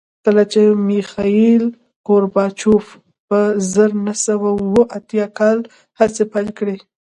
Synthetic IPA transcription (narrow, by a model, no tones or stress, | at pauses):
kəlat͡ʃemixɑil | koɾbɑt͡ʃuf | pəzəɾnasawawəʔat̪jɑkɑl | hasepajlkɽe